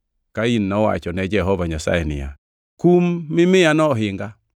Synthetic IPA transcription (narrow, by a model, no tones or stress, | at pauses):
kainːɔwa̰t͡ʃɔnɛd͡ʒɛɦɔvaɲasa̰jɛnɪ̰ja̰ | kumːɪmɪanɔɦɪŋɡa